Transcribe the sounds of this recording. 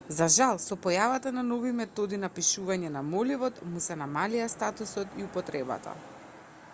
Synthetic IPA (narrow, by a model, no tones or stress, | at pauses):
zaʒalˠsɔpɔjavat̪ananɔvimɛt̪ɔd̪inapiʃuvaɲɛnamɔlivɔt̪musɛnamaliast̪at̪usɔt̪iupɔt̪ɾɛba̰t̪ʰa̰